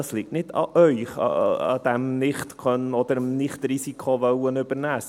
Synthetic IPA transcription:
ɑslik̚tnɪtʰɑ̰ʔœʏχɑ̰ɑ̰d̥æmnɪχt̪kʰœnɔd̪əɾəmnɪχt̪ɾisikʰχoʋœwənʏb̥əɾnæːs

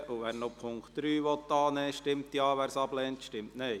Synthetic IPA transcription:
ʔuʋæːɾnopʰʊŋktd̪̥ɾyːʋɔt̪ːɑːnɛːʃtɪmt̪jɑːʋæːɾsɑblɛːnt̪ʃtɪmtneː

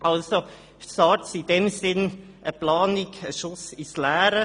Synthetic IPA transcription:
ɑlso | sɑsɪdɛmsɪn | ʔəplɑːnɪɡəʃʊsɪslæːɾə

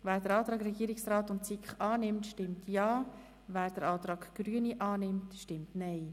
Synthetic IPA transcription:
væːɾd̥əɾɑːt̪ɾɑːɡɾɛɡiːəɾɪksrɾɑːtʊntt͡sikχɑːnɪmtʃtɪmtʰjɑː | væːɾd̥əɾɑːt̪ɾɑːɡɡ̥ɾyəniʔɑːnɪmtʃtɪmtnɛɪ

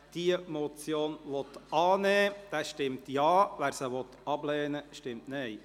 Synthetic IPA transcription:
d̥iəmɔt͡sjoːnʋɔt̪ɑːnɛːd̥ɛʃtɪmtjɑːʋæːɾsəʋɔt̪ɑblɛːnəʃtɪmtnɛɪ

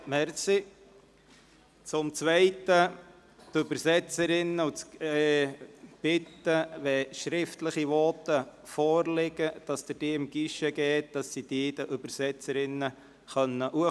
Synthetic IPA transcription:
mɛɾsi | t͡sʊmt͡svɛɪtə | tøbəɾsɛt͡səɾɪnːəut͡sː | b̥ɪtːəʋɛʃɾɪftləχiʋɔt̪əfɔːɾlɪɡəd̥ɑsd̥̪əd̥iːɪmɡ̥iʃəɡɛːt̚d̥ɑsːid̥iːd̥əʔøb̥əɾsɛt͡səɾɪnːə | χœnːəʔuə

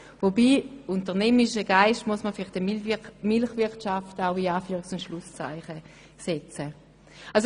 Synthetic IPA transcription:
vobiːuntəʁnɛmɪʃəɡ̥aɪʃtmuɐsmɐfɪlɪχtəmɪlχvɪʁtʃaftaʊiaːfyːʁɪksʊntʃlust͡sa̰ɪχə | sɛt͡sə | als

